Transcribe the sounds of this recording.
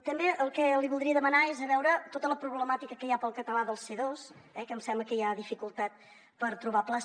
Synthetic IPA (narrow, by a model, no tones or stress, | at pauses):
t̪əmbeʔəlˠkɛliβulˠd̪ɾiəðəmənaezəβɛwɾət̪ot̪ələpɾuβləmat̪ikəkəjapəlˠkət̪əlaðəlˠseðosɛkəmsɛmbləkəjaðifikulˠt̪at̪̚ | pəɾt̪ɾuβapla